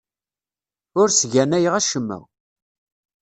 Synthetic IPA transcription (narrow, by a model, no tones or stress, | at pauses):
ʊɾsʝænæjəʁæʃəmːə̰